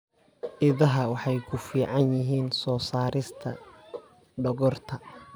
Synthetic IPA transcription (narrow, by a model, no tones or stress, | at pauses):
ʔɪðɐɦɐwɑħɑjkʰʊfiːʕɑnjɪɦiːnsɔːsaːɾɪst̪ʰɐ | ɖɔɣɔrt̪ʰɐ